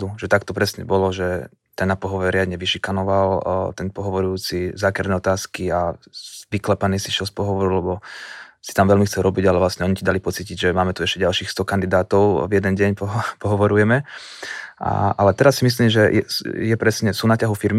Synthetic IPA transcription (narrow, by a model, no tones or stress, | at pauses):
d̪uʒɛt̪akt̪ɔpɾɛsɲɛ̰bɔlɔʒɛ | t̪anapɔɦɔʋɛɾɪad̪ɲɛʋiʃikanɔʋalt̪ɛnpɔɦɔʋɔɾujuːt͡sizaːkɛɾd̪nɛːɔt̪aːskiaʋiklɛpaniːsiʃɛlspɔɦɔʋɔɾulɛbɔsi̥t̪amʋɛʎmixt͡sɛlɾɔbiɟalɛʋlasɲɛɔɲicid̪alipɔt͡siciɟʒɛmaːmɛt̪uɛʃcɛɟalʃiːxst̪ɔkand̪id̪aːt̪ɔʊvjɛd̪ɛnɟɛɲpɔɦpɔɦɔʋɔɾujɛmɛ | a̰alɛt̪ɛɾasːimis̬liːmʒɛjɛ̰jɛpɾɛsɲɛsuːnacaɦufiɾmi